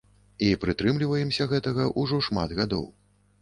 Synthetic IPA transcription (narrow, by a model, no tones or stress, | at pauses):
ipɾɨt̪ɾɨmlʲivɐjɛmsʲɐɣɛt̪ɐɣɐʔuʐɔʂma̰d̪ɣad̪ɔ̰w